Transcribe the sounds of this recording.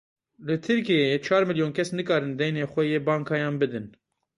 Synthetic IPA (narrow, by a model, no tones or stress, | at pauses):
lɨt̪ʰɨɾkijeeːt͡ʃʰɑːɾmɨljoːnkʰɛsnɨkɑːɾɨnd̪ɛjneːxʷɛjeːbɑːŋkʰɑːjɑːnbɨd̪ɨn